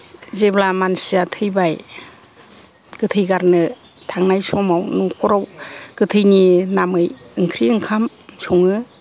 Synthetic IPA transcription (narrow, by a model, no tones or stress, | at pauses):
zeblamansiatʰɯjbaj | ɡ̥ɯtʰɯjɡaɾnɯ | tʰaŋnajsɔmawnukʰɔɾawkɯtʰɯjninamɯjɯŋkʰɾiɯŋkʰam | sɔŋɯ